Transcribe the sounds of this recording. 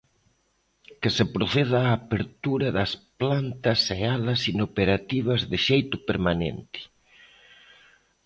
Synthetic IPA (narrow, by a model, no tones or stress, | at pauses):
kɪsɪpɾoθeð̞aːpeɾt̪uɾɐðɐsplant̪ɐsealɐsinopeɾat̪iβ̞ɐzðɪʃejt̪ʊpeɾmanḛnt̪ɪ̥